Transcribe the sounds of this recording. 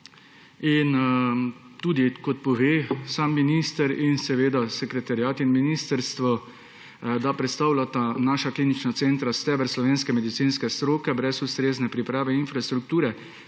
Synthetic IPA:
in | t̪uːd̪ikɔt̪̚pɔʋeːsaːmːiniːst̪əɾinsɛʋeːd̪asɛkɾɛt̪aɾiaːt̪inminiːst̪əɾst̪ʋɔ | d̪apɾɛt̪st̪awlat̪anaːʃakliːnit͡ʃnat̪seːnt̪ɾast̪ɛbɛɾslɔʋeːnskɛmɛd̪it̪siːnskɛst̪ɾoːkɛbɾɛsust̪ɾeːznɛpɾipɾaːʋɛinfɾast̪ɾuk̚t̪uːɾɛ

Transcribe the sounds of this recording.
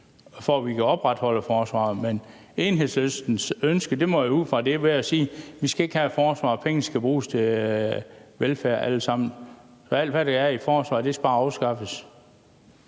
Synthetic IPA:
fɒʋikʰæɒ̽b̥ʁad̥hɒ̽l̰əfɒːsʋɑ̰̈ːmen | e̝ːnɦe̝ð̰ˠslesd̥n̩sønsɡ̥əd̥e̝mɒjouð̰ˠfʁɑ̈d̥e̝ʋeæsiːʋisɡ̥æe̝ɡ̥hæfɒːsʋɑ̰̈ːpʰeŋn̩sɡ̥æb̥ʁṵːst͡sʰe̝ | ʋelfæɐ̰ʔæləsɑ̈m̰n̩ | sɒ̽æl̰d̥ʋædɑæifɒːsʋɑ̈ːd̥e̝sæb̥ɑ̈ːɑʊsɡ̥ɑ̈fəs

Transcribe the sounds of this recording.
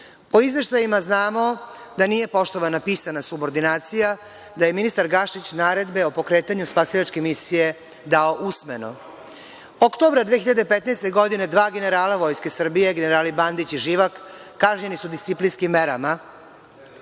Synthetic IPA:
o̞izʋe̞ʃt̪ajimaznaːmo̞ | d̪anije̞po̞ʃt̪o̞ʋanapiːsanasubo̞ɾd̪inaːt̪sija | d̪aje̞minist̪aɾɡaʃit͡ɕnaːɾe̞d̪be̞o̞po̞kɾe̞ːt̪aɲuspasilat͡ʃke̞misije̞ | d̪ao̞ʔusmeno̞̰ | okt̪o̞bɾad̪ʋeçiʎad̪epet̪najst̪e̞ɡo̞d̪ine̞d̪ʋaːɡene̞ɾaːlaʋo̞jske̞sr̩bije̞ɡeneɾaːliband̪it͡ɕiʒiːʋakːaʒɲenisud̪ist̪siplinskimːe̞ɾa̰ma

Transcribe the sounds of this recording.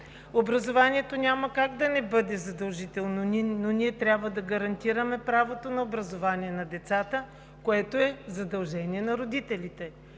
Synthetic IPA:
obɾɐzovaniɛt̪onʲaməkaɡd̪ɐnɛbɤd̪ɛzɐd̪ɐlˠʒit̪ɛlˠnononʲiɛt̪ɾʲjabvəd̪ɐɡɐɾɐnt̪iɾəmɛpɾavot̪onɐobɾɐzovaniɛnɐd̪ɛt̪sat̪ə | koɛt̪oɛzɐd̪ɐlˠʒɛniɛnɐɾod̪it̪ɛlit̪ɛ

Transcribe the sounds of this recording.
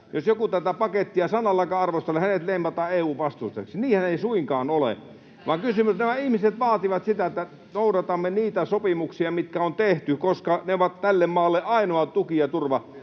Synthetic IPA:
josjokut̪æt̪æpɑket̪ːiɑsɑnːˑɑlːɑkɑɑrʋost̪elːehænet̪leˑimɑt̪ɑːeːuːʋʋɑst̪ust̪ḛksiniːhæneisuiŋkɑːnolḛ | ʋɑːŋkysymːˑyt̪næmæihmiset̪ʋɑːt̪iʋɑt̪sit̪æet̪ːæ | noˑudɑt̪ɑmːeniːt̪æsopimuksiɑmit̪kæont̪eht̪ykoskɑneoʋɑt̪t̪ælːemmɑːlːeʔɑinoɑt̪ukiɑt̪urʋɑ

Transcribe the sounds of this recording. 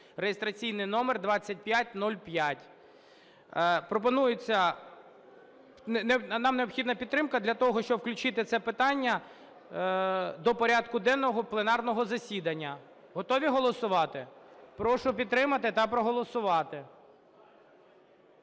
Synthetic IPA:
rejest̪ɾɐt͡sʲijnɪjnɔmerd̪ʋɑt͡sʲːɐt̚ʲpʲjat̚ʲnɔlʲpjatʲ | pɾɔpɔnujʊt͡sʲːɐ | nnenɑmneɔpxʲid̪nɐpʲid̪̚t̪ɾɪmkɐd̪lʲɐt̪ɔɦɔʃt͡ʃɔbwklʲʉt͡ʃɪt̪ɪt̪sɛpɪt̪ɑnʲːɐ | d̪ɔpɔɾʲɑd̪kʊd̪ɛnːɔɦɔplˠenɑrnɔɦɔzɐsʲid̪ɐnʲːɐ | ɦɔt̪ɔʋʲiɦɔlˠɔsʊʋɑt̪ɪpɾɔʃʊpʲid̪t̪ːɾɪmɐt̪ɪt̪ɐpɾɔɦɔlˠɔsʊʋɑt̪ɪ

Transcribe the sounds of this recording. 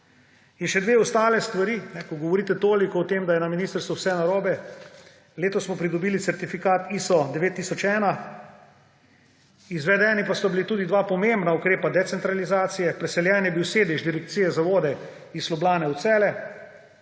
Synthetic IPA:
inʃɛd̪ʋeːɔst̪aːlɛst̪ʋaɾiːnɛkɔɡɔʋɔɾiːt̪ɛt̪oːlikɔwt̪eːmd̪ajɛnaminiːst̪əɾst̪ʋuwsɛnaɾɔːbɛ | leːt̪ɔsmɔpɾid̪ɔbiːlit̪sɛɾt̪ifikaːt̪iːsɔd̪ɛʋeːt̪ːiːsɔt͡ʃɛːna | izʋɛd̪ɛːnipasɔbilit̪uːd̪id̪ʋaːpɔmembnaukɾeːpad̪ɛt̪sɛnt̪ɾalizaːt̪sijɛpɾɛsɛljɛːnjɛbiwseːd̪ɛʒd̪iɾɛk̚t̪siːjɛzaʋoːd̪ɛ | islɔblaːnɛut̪sɛːlɛ

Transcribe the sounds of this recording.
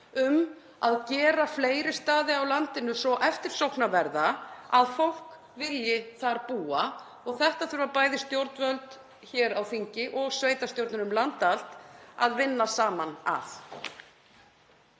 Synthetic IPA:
ʏm | aðcɛːɾafleːjɾɪst̪aːðɪawlant̪ɪnʏsɔʔɛft̪ɪɾ̥sowhknavɛɾðaaðfowl̥k | vɪljɪθaɾpuːa | ɔɣθɛht̪aθœʏɾvaɾpaːjðɪst̪jowɾt̪nvœlt̪ | çɛːɾawfiɲcɪʔɔɣsveːjt̪ast̪jowɾt̪nʏnʏmlant̪al̥t̪aðvɪnːasaːmana̰θ

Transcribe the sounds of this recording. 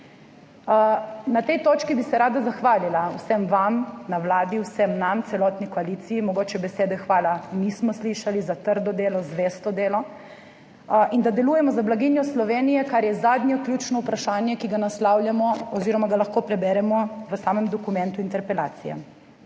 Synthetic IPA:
nat̪ɛjt̪oːt͡ʃkibisɛɾaːd̪azaxʋaːlilawsɛmʋamnawlaːd̪iwsɛmnamt̪sɛlɔt̪nikɔaliːt̪siimɔɡoːt͡ʃɛbɛseːd̪ɛxʋaːlanismɔsliʃalizat̪əɾd̪ɔd̪eːlɔzʋeːst̪ɔd̪eːlɔ | ʔind̪ad̪ɛluːjɛmɔzablaɡinjɔslɔʋeːnijɛkaɾjɛzaːd̪ɲjɔklʲjuːt͡ʃnɔupɾaʃaːnjɛkiɡanaslaːwljamɔɔziːɾɔmaɡalaxkoːpɾɛbɛɾɛmɔʋəsaːmɛmd̪ɔkumɛ̃nt̪uint̪ɛɾpɛla̰ːt̪sijɛ̰

